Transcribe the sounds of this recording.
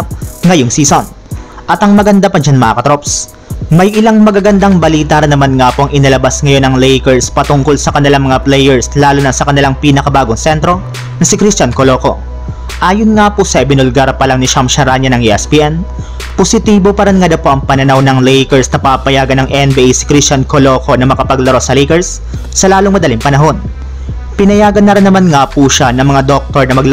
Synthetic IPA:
ŋɐjoŋsiːson | ʔɐt̪ɐŋmɐɡɐnd̪apɐd͡ʒanmɐaːkɐt̪ɾops | mɐjʔɪlaŋmɐɡaɡɐnd̪aŋbɐliːt̪aɾɐnːɐmanŋapoʔɐŋʔɪnɐlɐbasŋɐjo̞nɐŋlɛjkɛɹspɐt̪ʊŋko̞lsɐkɐnɪlaŋmɐŋaplɛjɛɹslaːlʊnɐsɐkɐnɪlaŋpiːnɐkɐbaːɡoŋsɛnt̪ɾo̞ | nɐsɪkɾist͡ʃankolo̞ːko̞ | ʔaːjonŋaposɐʔɛbɪnolɡaɾpɐlaŋnɪʃamʃɐɾaɲɐnɐŋiʔɛspiːʔɛn | posɪt̪iːbo̞pɐɾɪnŋad̪ɐwpo̞ʔɐŋpɐnɐnawnɐŋlɛjkɛɹsnɐpapɐjaːɡɐnɐŋɛnbiʔejsɪ̥kɾist͡ʃankolo̞ːko̞nɐmɐkɐpɐɡlɐɾo̞sɐlɛjkɛɹsː | ɐlaːloŋmɐd̪ɐliŋpɐnɐɦo̞n | pɪnɐjaːɡɐnːɐɾɪnːɐmanŋapuʃanɐŋmɐŋad̪o̞k̚t̪o̞ɹnɐmɐɡlɐ

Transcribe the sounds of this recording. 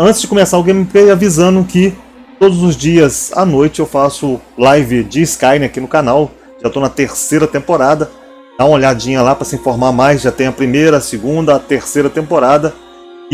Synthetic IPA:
ɐ̃t͡ʃɪzd͡ʒɪkõmesaɾʊɡẽmɪpejavizɐ̃nʊkɪ | t̪od̪ʊzʊzd͡ʒiɐza̰nojt͡ʃɪewfasʊlajvɪd͡ʒɪːskajnɪ̃akinʊkanaw | ʒat̪onɐt̪eɾsejɾɐt̪ẽmpoɾad̪ɐ | d̪̥aũoʎad͡ʒĩɲɐlapɾɐsiĩfoɾmaɾmajsʒat̪ẽj̃ɐpɾimejɾɐːsɪɡũnd̪ɐːt̪eɾsejɾɐt̪ẽmpoɾad̪ɐ

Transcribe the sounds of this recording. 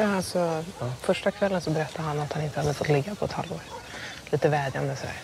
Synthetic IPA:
asɔfœʂʈakʰvɛlːənsɔbɛɾɛt̪ʰːad̪əhanat̪hanɪnt̪əhad̪ːəfɔt̪ːlɪɡːapʰɔɛt̪ʰha̰lvo̰ːɾliːt̪əvɛːd̪ja̰nd̪əsɔd̪æ̰ːɾ

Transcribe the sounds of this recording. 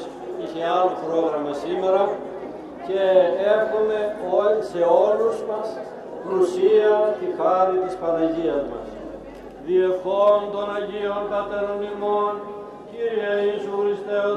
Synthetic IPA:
içealopɾoɣɾɐmɐsimeɾɐ | ceexumeoseoluzmɐs | kɾusiɐt̪ixaɾit̪ispɐnɐʝiɐzmɐ̰s | ðiefond̪onɐʝionkɐt̪eɾonimon | ciɾieisuxɾist̪e

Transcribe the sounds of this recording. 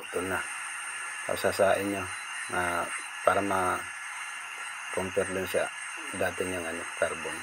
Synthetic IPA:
t̪unah | a̰sasaiɲɔ | a | parma | kɔmpɛrlinsia | dat̪ɛɲɔŋanikarbɔŋ

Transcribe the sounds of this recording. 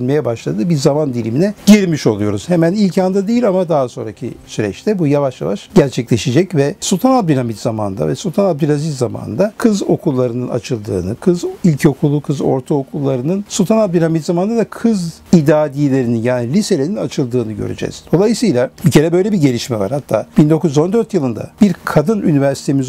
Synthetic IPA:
nmejɛbaʃlˠa̰d̪ɯbiɾzamand̪ilʲiminɛɟiɾʲmiʃo̞lˠujo̞ɾuz̥hemænilʲcand̪ad̪ejilʲamad̪aɦaso̞nɾa̰cʰḭsyɾɛ̰t͡ʃt̪ʰɛbujavaʃja̰vaʃɟæɾt͡ʃʰɛclʲe̞ʃid͡ʒɛcvɛsulˠt̪ʰanab̚d̪ylʲamit̪z̥ama̰nd̪a̰vɛsulˠt̪ʰanab̚d̪ylʲazifzama̰nnd̪akʰɯzo̞kʰulˠːaɾɯnɯna̰t͡ʃʰɯlˠd̪ɯ̰ːnɯkʰɯzilʲcʰo̞kʰulˠːukʰɯzo̞̰ɾt̪ʰaokʰulˠːaɾɯnɯnsulˠt̪ʰanab̚d̪ylʲhamit̪zamand̪ad̪akʰɯz | id̪aːd̪ilʲe̞ɾininjaːnilʲise̞lʲe̞ɾinat͡ʃʰɯlˠd̪ɯːnɯɟø̰ɾy̰d͡ʒɛ̰z̥d̪o̞lˠajɯsɯjlˠabicʰe̞ɾɛbø̞jlʲebiɟe̞lʲiʃmɛva̰ɾhat̪ʰːa̰ːb̥ind̪o̞kuzyzo̞nd̪ø̞ɾt̪jɯlˠɯnd̪a̰b̥iɾkʰad̪ɯny̰nivæɾsi̥t̪ʰemiz

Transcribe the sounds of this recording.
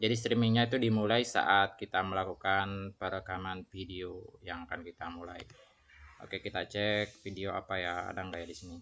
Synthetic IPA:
d͡ʒadist̪ɾimiŋɲait̪udimulaisa̰ʔat̪̚kit̪aməlakukanpəɾəkamanfideojaŋakankit̪amulai | ʔo̰kekit̪at͡ʃɛk̚fideoa̰paja̰ːdaŋɡajadisini

